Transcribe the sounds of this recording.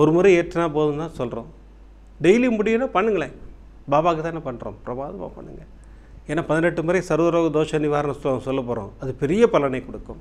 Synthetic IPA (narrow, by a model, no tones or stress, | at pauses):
ɔɾɯmɐɾɐeːʈʈːɐnaːp̬oːðɯnt̪ãːsɔlɾõː | ɖɛjlimʊɽɪjʊnaːpɐɳːɯŋɡɐɭeː | baːbaːkɯt̪aːnːɐpɐɳːɾõ̰ːmpɪɾɐma̰ːðɐma̰ːpɐ̰ɳːɯ̰ŋɡɐ | eːnːaːpɐðɪnɛʈːɯmɐːɾisɐɾʋɐɾoːɣɐd̪oːʂɐnɪʋaːɾɐnɐsɔlːosɔlːɐp̬ːoːɾõ̰ːɐðɯpɛɾɪjɐpɐlɐnɐɪkɔɽɯkːʊ̰̃m